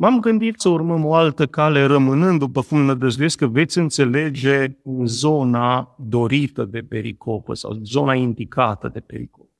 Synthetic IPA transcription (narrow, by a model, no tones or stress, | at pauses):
vamɡɨnd̪it̪səurməmo̞alt̪əkale̞ɾəmɨnɨnd̪d̪upəkumnəd̪əzujeskəve̞t̪sʲɨnt̪se̞le̞d͡ʒe̞ɨzo̞nad̪o̞ɾit̪əd̪e̞pe̞ɾḭkʰo̞pə̰sa̰wzo̞naind̪ikat̪ə̰d̪e̞pe̞ɾḭkop